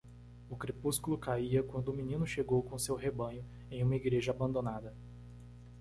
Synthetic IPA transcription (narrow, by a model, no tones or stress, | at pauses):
ʊkɾepuskulʊkaiɐkwɐ̃nd̪ʊːminĩnʊʃeɡowkõsewɦebɐ̃ɲʊ | ẽj̃ũmɐiɡɾeʒɐabɐ̃nd̪õnad̪ɐ